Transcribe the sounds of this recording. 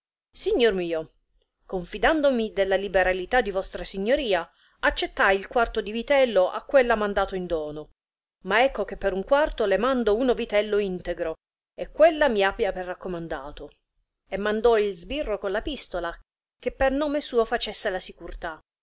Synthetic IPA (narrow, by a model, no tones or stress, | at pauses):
siɲːormiːo | koɱfid̪and̪omid̪elːalibeɾalit̪ad̪ːivɔst̪ɾasiɲːoɾiːa | at͡ʃːet̪ːajilkwart̪od̪ivit̪ɛlːoʔa̰kːwelːamand̪aːt̪oind̪ɔːno | maɛkːok̟epːeɾuŋkwart̪olemand̪ounovit̪ɛlːoint̪eɡɾo | ekːwelːamiabːjaperːakːomand̪a̰ːt̪o | emːand̪ɔilzbirːokonlapist̪ola | k̟epːernɔːmesuːofat͡ʃesːelasikuɾt̪a